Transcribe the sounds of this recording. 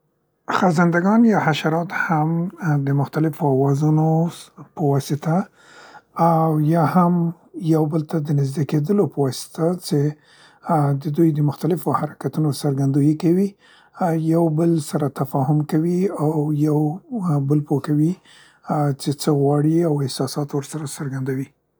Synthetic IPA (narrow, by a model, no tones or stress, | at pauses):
xazand̪aɡɑnjɑhaʃaɾɑt̪hamd̪əmʊxt̪alɪfawɑzunopəwɑsɪt̪aː | wjɑham | jawbəlt̪ad̪ənɪzd̪eked̪əlopəwɑsɪ̥t̪at͡ʃe | d̪əd̪ujd̪əmʊxt̪alɪfohaɾakat̪unosəɾɡand̪ujikawi | jawbəlsaɾat̪afɑhʊmkawiawjawbəlpokawi | t͡ʃet͡səɣwɑɽiawɪhsɑsɑt̪wəɾsaɾasəɾɡand̪awi